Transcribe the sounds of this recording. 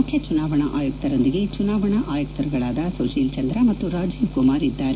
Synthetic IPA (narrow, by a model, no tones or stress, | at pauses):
ukʰjɐt͡ʃunaːʋɐɳɐʔaːjuk̚t̪ɐɾond̪iɡe̞t͡ʃunaːʋɐɳɐʔaːjɐk̚t̪ɐɾuɡɐɭaːd̪ɐsɐʃiːlt͡ʃɐnd̪ɾɐmɐt̪ːuɾaːd͡ʒiːʋkumaːɾid̪ːaːɾe